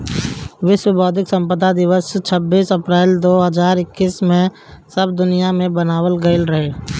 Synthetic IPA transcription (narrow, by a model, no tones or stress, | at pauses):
ʋɪʃwəbɔːd̪ʱɪksə̃mpəd̪ad̪ɪʋəst͡ʃʰəbːiːsəpɾɛːld̪oːɦəzaːɾɪkːiːsmẽ | səb̚d̪ʊnijamẽbənaːwəlɡəɪlɾəɦeː